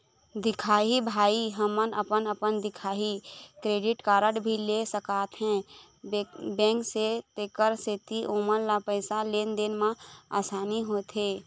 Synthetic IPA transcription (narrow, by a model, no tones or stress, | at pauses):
d̪ɪkʰaːɦibʱaːiɦəmənəpənəpənd̪ɪkʰaːɦikɾeːɖɪʈkaːɾəʈbʱilesəkaːt̪ɦɛ̃ | bɛ̃ːŋkset̪eːkəɾset̪iʔoːmənlapəɪsaleːnd̪enmãa̰ːsaːniɦoːt̪ɦeː